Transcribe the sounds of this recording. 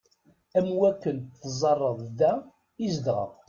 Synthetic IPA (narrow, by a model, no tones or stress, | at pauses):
æmwækːənθzˤɑrˤːəðˤðæ | izd̪ʁə̰ʁ